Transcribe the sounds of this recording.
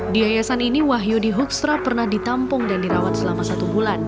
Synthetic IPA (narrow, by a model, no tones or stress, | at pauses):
diajasaniniwaɦjudiɦuk̚sɾapərnahdit̪ampʊŋdandiɾawat̪səlamasat̪ubulan